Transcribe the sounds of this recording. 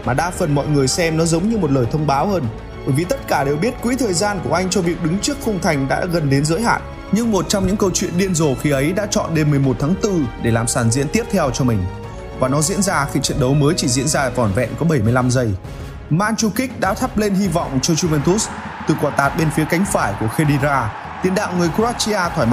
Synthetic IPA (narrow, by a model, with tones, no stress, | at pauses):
maː˨˩ɗaː˧fə˨˩nmɔ̰˧˨jŋɨ˨˩əjsɛ˧mnɔ˨˦zə˨˦wŋ͡mɲɨ˧mo˨˩t̚ləː˨˩jt̪ʰə˧wŋ͡mɓaː˨˦whəː˧n | ɓəː˧˩jvi˨˩t̪ə˦˥t̚kaː˧˩ɗe˨˩wɓi˦˥ət̚kwḭ˧˥t̪ʰəː˨˩jzaː˧nku˧˩əʔa˧jŋ̟t͡ɕɔ˧vi˨˩ək̚ɗɨ˨˦ŋt͡ɕɨ˦˥ək̚fʊ˧wŋ͡mt̪ʰa˨˩jŋ̟ɗa̰ː˧˥ɣə˨˩nɗe˨˦nzə̰˧˥jɦa̰ː˧˨nʔ | ɲɨ˧ŋmo˨˩t̚t͡ɕɔ˧wŋ͡mɲɨ̰˧˥ŋkə˧wt͡ɕwḭ˧˨ənɗi˧ənzo˨˩xi˨˩ʔə˨˦jɗa̰ː˧˥t͡ɕɔ̰˧˨nɗe˧nmɨ˨˩əjmo˨˩t̚t̪ʰaː˨˦ŋt̪ɨ˧ɗe˧˩laː˨˩msaː˧˩nzḭ˧˥nt̪i˦˥əp̚t̪ʰɛ˧wt͡ɕɔ˧mï˨˩ŋ̟ | vaː˨˩nɔ˨˦zḭ˧˥ənzaː˧xḭ˧˨t͡ɕwḭ˧˨ənɗə˨˦wməː˨˦jt͡ɕi˧˩zḭ˧˥ənzaː˧˨˩vɔ˧˩nvɛ̰˧˨nkɔ˨˦ɓə˧˩jmɨ˧əjla˧mzə˧j | maː˧nt͡ɕu˧kï˦˥k̚ɗa̰ː˧˥t̪ʰa˦˥p̚le˧nɦi˧vɔ̰˧˨wŋ͡mt͡ɕɔ˧zu˧vɛ˧nt̪u˦˥s | t̪ɨ˨˩kwaː˨˩t̪aː˨˩t̚ɓe˧nfi˨˦əka˨˦jŋ̟faː˧˩jku˧˩əxe˧ɗi˧zaː˧ | t̪i˨˩ənɗa̰ː˧˨wŋ͡mŋɨ˨˩əjkaː˦˥t̚t͡ɕi˧aː˧t̪ʰwaː˧˩jm˧